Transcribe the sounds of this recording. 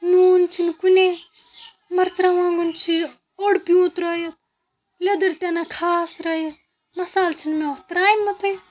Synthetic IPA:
nuːnt͡ʃʰinkune | mɐɾt͡ʃɾaʋãːŋɡunt͡ʃʰi | ɔɽpjuːt̪ɾɐjɐt̪̚ | led̪ɐɾt̪anakʰaːsɾɐjet̪̚ | mɐsaːlt͡ʃʰinmet̪ɾaːjmːɐt̪ʰoj

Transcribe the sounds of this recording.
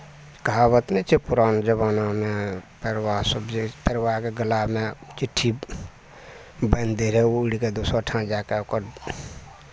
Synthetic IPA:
kaβət̪nət͡ʃʰepuɾaːnd͡ʒəβaːnamepeɾʋasəbepeɾʋaːkeɡəlamet͡ʃiʈʰːi | bənd̪eɾɛouɽiked̪usaʈʰãd͡ʒaːkeokəɾ

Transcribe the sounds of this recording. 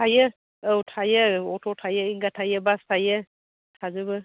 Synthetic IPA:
ajə | əwtʰajəɔtʰɔtʰajəiŋɡatʰajəbastʰajə | tʰazɯbɯ

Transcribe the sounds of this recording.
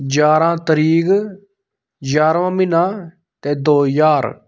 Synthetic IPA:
d͡ʒaːɾãːt̪əɾiːɡ | d͡ʒaːɾʋãːmɪnãː | t̪ɛːd̪oːjaːɾ

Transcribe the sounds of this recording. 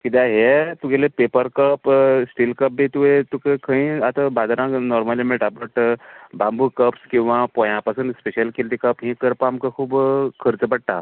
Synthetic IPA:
kid̪aɦet̪ukelepepəɾkəpsʈilkəp̚bʱit̪uet̪ukekʰə̃ĩat̪abad̪ɾãknɔɾmalimẽʈapɾəʈbambukəpskĩw̃ʋapɔ̃jãpɐsənd̪speʃəlkelt̪ikəpɦĩkəɾpamkəkʰuːbkʰəɾt͡səbəɽ̚ʈ̪a̰

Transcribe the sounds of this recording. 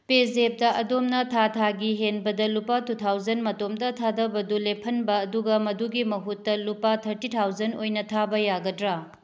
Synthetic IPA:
pezep̚dɐʔɐdomnɐtʰatʰaɡiɦenbɐdɐlupatʰutʰawd͡ʒɐnmɐtomdɐtʰadɐbɐdulepʰɐnbɐːduɡɐmɐduɡimɐɦutːɐlupatʰɐɾtitʰawzɐnojnɐtʰabɐjaɡɐdɾa

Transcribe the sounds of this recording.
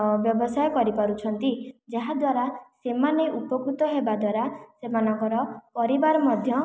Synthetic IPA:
bjɔbɔsajɔkɔɾipaɾut͡ʃʰɔnt̪id͡ʒaɦad̪waɾasemaneʔupɔkɾut̪ɔɦebad̪waɾasemanɔŋkɔɾɔpɔɾibaɾɔmɔd̪ʱjɔ

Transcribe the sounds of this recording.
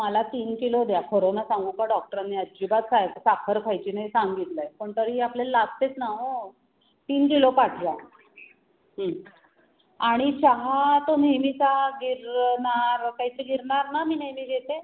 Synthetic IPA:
məlat̪iːnkilod̪jakoɾonasaŋɡukaɖɔk̚ʈəɾanːiəd͡ʑibat̪sajsakʰəɾkʰajt͡ɕiːnajsaŋɡit̪lajpəɳt̪əɾiaplellast̪et͡snaɦo | t̪iːnkilopaʈʰla | ɦə | aɽ̃it͡ɕaɦat̪onemisaɡiɾnaɾkaɦit͡seɡiɾɳaɾnamiːnemiːɡet̪e

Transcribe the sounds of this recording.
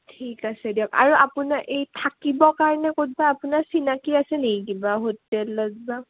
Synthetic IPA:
tʰikasɛdiɔka̰ɹuapunaʔejtʰakibɔkaɹɔnɛkot̚baːpunasinakiasɛnek̬ibaɦotːɛlːɔzba

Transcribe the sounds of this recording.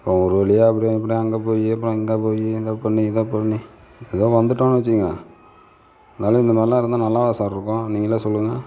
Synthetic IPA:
pːõɔɾɯʋɐɭɪjeɐp̬ːɐɽijɪp̬ːɐɽiɐŋɡepoːjiɐp̬ːɾõɪŋɡeːpoːjiðopɐɳːiɪðoːpɐɳːi | ɛðoːʋɐnd̪ɯʈːõːnʋɐt͡ʃːɯiŋɡɐ | ɐnnaːlɐ̃ɪnd̪ɐmaːɪlãːɪɾɯnd̪anɐlːaːʋɐsaːɾɾɯkːõniːŋɡɐlːasɔlːɯŋɡɐ

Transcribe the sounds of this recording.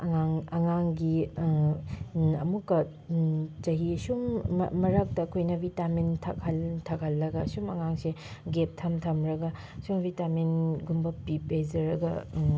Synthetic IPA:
ɐŋaŋɐŋaŋɡi | ɐ̰mukːɐ | t͡ʃɐɦiɐsum̰mɐɾɐk̚tɐːkʰojnɐbʱitamentʰɐ̰k̚hɐltʰɐk̚hɐlːɐɡɐsumɐŋaŋseɡep̚tʰɐmtʰɐmɾɐɡɐ | sumbʱitamenɡumbɐpipezɐɾɐɡɐ̰

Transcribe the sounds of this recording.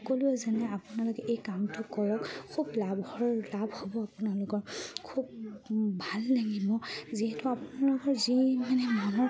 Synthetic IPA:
koliɛzanɛapunalɔkɛʔejkamtʊkɔɹɔkkʰublabʱɔɹlabʱhobɔapunalʊkɔɹkʰubbʱalnaɡibɔziɦɛtʊapunalʊkɔɹzimanɛmanɔ

